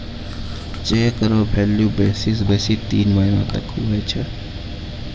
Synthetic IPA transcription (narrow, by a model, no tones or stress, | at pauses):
t͡ʃeːkəɾobʱelːjubeːsis̬besit̪iːnməɦina̰t̪ə̰kʰːuɦəjt͡ʃʰə